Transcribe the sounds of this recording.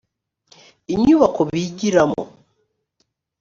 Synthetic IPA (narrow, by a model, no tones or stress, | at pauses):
iɲuβakoβiɟiɾamo̰